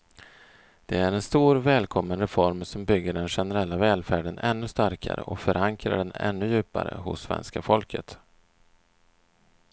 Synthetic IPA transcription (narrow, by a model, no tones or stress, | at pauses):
d̪̥ɛæɾɛnst̪uːɾvɛːlkʰɔmːənɾɛfɔɾmsɔmbʏɡːəɖɛnɧɛnəɾɛlːavɛːlfæːɖənɛnːɵst̪aɾkʰa̰ɾə̰ʔɔfœɾʔaŋkɾa̰ɖɛnɛ̰nːɵjʉ̟ːpa̰ɾə̰ɦʊ̰sːvɛ̰nskafɔlkʰət̪